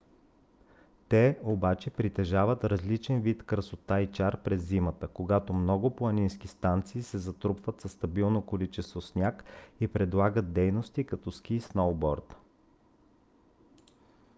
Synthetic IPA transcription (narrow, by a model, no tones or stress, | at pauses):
t̪ɛobat͡ʃɛpɾit̪ɛʒavət̪ɾɐzlit͡ʃɛnvit̪kɾəsot̪ait͡ʃaɾpɾɛzːimət̪əkoɡat̪omnɔɡʊpoɐnʲinskist̪ant̪siːsɛzɐt̪ɾupvət̪sɐst̪ɐbilˠnokolit͡ʃɛst̪vosnʲakipɾɛd̪lˠaɡəd̪̚d̪ɛjnost̪ikɐt̪ɔskʲisnolˠbɔɾt̪